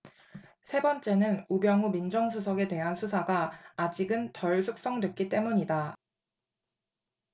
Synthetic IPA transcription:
sʰe̞bʌnt͡ɕ͈e̞nɯnubjʌŋumind͡ʑʌŋsʰusʰʌɡe̞te̞ɦansʰusʰaɡaːd͡ʑiɡɯntʌɭsʰuk̚s͈ʌŋdwe̞t̚k͈it͈e̞muɲida

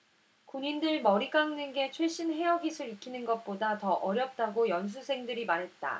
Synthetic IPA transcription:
kuɲindɯɭmʌɾik͈aŋnɯnɡe̞t͡ɕʰweɭɕ͈inɦe̞ʌɡisʰɯɾikʰinɯnɡʌt̚p͈odatʌʔʌɾjʌp̚t͈aɡojʌns̬ʰusʰe̞ŋdɯɾimaɾɦe̞t̚t͈a̰

